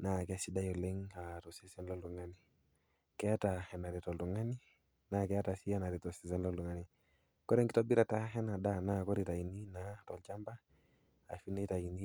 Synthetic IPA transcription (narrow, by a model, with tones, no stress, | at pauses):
na˦kɛ˦si˦da˦jɔ˨le˦ŋa˨tɔ˨si˦sɛ˦nlɔ˦lu˨ŋa˦ni˨ | kɛ˦a˦ta˨hɛ˨na˨ɾɛ˨tɔ˨ltu˨ŋa˦ni˦ | na˦kɛ˦a˦ta˨si˦a˦na˨ɾɛ˨tɔ˨si˨sɛ˦nlɔ˦ldu˨ŋa˦ni˨ | kɔ˦ɾɛ˦ŋɡi˦tɔ˦bi˦ɾa˨ta˦ɦɛ˦na˨da˦na˦kɔ˦ɾi˨ta˨i˨ni˦na˦tɔ˨lt͡ʃa˦mba̰ː˦˨ | fi˦ne˦ta˨i˨ni˦